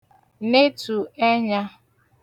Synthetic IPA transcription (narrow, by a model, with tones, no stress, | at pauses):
ne˦tu˨e˦ɲa˦